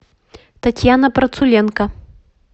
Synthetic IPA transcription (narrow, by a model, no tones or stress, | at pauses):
t̪at͡sʲjanɐpɾɐt̪sulʲɛnkɐ